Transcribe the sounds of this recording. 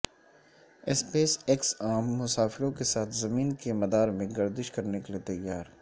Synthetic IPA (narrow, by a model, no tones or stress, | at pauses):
ɛspeːsɪksaːmːʊsaːfɪɾõkesaːt̪ʰzɐmiːnkemɐd̪aːɾmẽɡɐɾd̪ɪʃkɐɾnekeliet̪ɐjːaːɾ